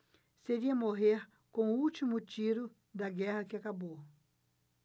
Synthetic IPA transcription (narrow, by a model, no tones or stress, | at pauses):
seɾiɐmoɦeɾ | kõʊut͡ʃimʊt͡ʃiɾʊ | d̪ɐɡɛhɐkɪakabo